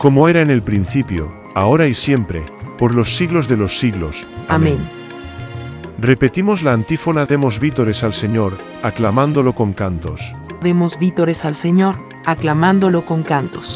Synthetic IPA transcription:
komoeɾaene̞lpɾin̟θipjo̰ | ao̞ɾaisje̞mpɾe̞̰poɾlo̞sːiɣlo̞zðe̞lo̞sːiɣlo̰samẽn | repe̞t̪imozlaːnt̪ifonaðemo̞zβit̪oɾesalse̞ɲoɾ | aklamãnd̪oloko̞ŋkant̪os | ðemozbit̪oɾesalseɲoɾ | aklamãnd̪olokoŋkant̪o̥s

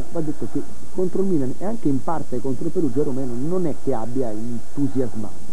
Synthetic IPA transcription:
vad̪ːet̪ːok̟e | kːont̪ɾolmiːlanɛaŋkeimpart̪eɛkɔnt̪ɾoipeɾud͡ʒɛɾomɛːnononɛkːeabːjaint̪uzjazma̰n

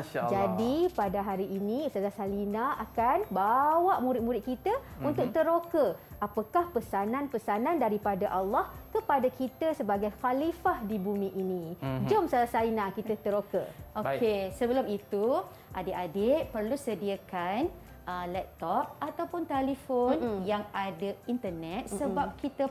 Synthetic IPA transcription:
d͡ʒadipadaɦaɾiːnisazasalinaakanbawaʔmuɾɪt̪̚mũɾɪt̪̚kit̪əunt̪ʊk̚t̪əɾokəapakahpəsananpəsanandaɾipadaʔalːɑhkəpadakit̪əsəbaɡajxalifahdibumiʔinĩd͡ʒomsalasainãkit̪ət̪əɾokə̰oesəbəlʊmit̪u | ʔadɪʔadeʔpərlusədiakan | ʔəlɛp̚t̪ɔp̚at̪awpʊnt̪elifonjaŋadəint̪ənɛt̪̚ssəbap̚kit̪ə

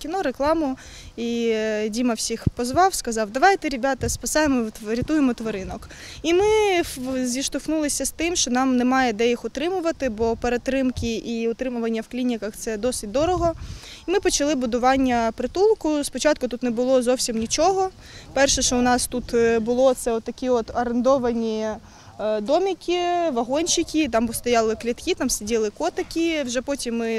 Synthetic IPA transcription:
kʲinɔɾeklˠɑmʊ | idʲimɐwsʲixpɔzʋɑwskɐzɑwd̪ɐʋɑjt̪ɛɾʲibʲat̪ɐspɐsɑjemɔɾʲɪt̪ujemɔt̪ʋɔɾɪnɔk | imɪ | zʲʋʲiʃt̪ʊxnulˠɪsʲɐst̪ɪmʃt͡ʃɔnɑmnemɑjɛd̪ɛjixʊt̪ɾɪmʊʋɐt̪ɪbɔpeɾet̪ɾɪmkʲiʔiʊt̪ɾɪmʊʋɐnʲːɐwklʲinʲikɐxt̪sɛd̪ɔsɪtʲd̪ɔɾɔɦɔimɪpɔt͡ʃɐlˠɪbʊd̪ʊʋɑnʲːɐpɾɪt̪ulˠkʊspɔt͡ʃɑt̪kʊt̪ut̪nɛbʊlˠɔzɔwsʲimnʲit͡ʃɔɦɔ | pɛrʃɛʃt͡ʃɔʊnɑst̪ut̪bʊlˠɔt̪sɛɔt̪ːɐkʲiɔt̪ɐɾend̪ɔʋɐnʲi | d̪ɔmʲikʲiʋɐɦɔnʲt͡ʃɪkʲit̪ɑmʊst̪ɐjɑlˠɪklʲit̪kʲit̪ɑmsedʲilˠɪkɔt̪ɐkʲiwʒɛpɔtʲimːɪ

